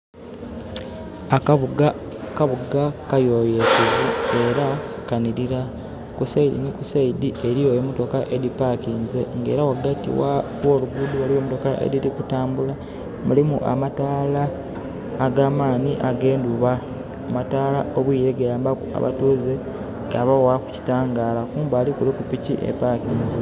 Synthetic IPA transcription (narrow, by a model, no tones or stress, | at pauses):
akauɡa | kaβuɡakajo̞jesezie̞ɾa | kaniɾiɾa | kusaidḭnikusaidiʔeɾijojemuto̞kaʔe̞dipakiːnze̞ŋɡe̞̰ːɾawaɡatḭwaβwo̞ːluɡuduwaliwoːmuto̞kaʔḛɾiɾikutaːmbula | mulimuʔa̰mataːlaː | ɡaːmaːniʔaɡe̞ːnduβa | amataːlaʔo̞βwiːɾeɡejaːmbakua̰βa̰tuːze | ɡaβawaku̥ci̥taːŋɡaːlakuːmbaːlikuɾikupiciʔḛpakiːnze